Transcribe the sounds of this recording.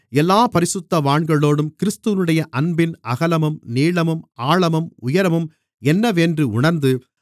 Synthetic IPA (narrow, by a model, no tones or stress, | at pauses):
ɛlːaːpɐɾɪsɯt̪ːɐʋaːɳɡɐɭːoːɽɯmkɪɾɪst̪ɯʋɪnɯɽɐjɐʔɐnbɪnɐɣɐlɐmɯmniːɭɐmɯmaːɭɐmɯmʊjɐɾɐmɯm | ɛnːɐʋeːndrɯʊɳɐɾnd̪ɯ